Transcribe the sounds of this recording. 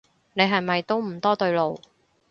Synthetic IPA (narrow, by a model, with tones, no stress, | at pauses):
ne˨˧jɦɐ˨jmɐ˨jt̪o˥wm̩˨˩t̪ɔː˥t̪ɵ˧ɥlo˨w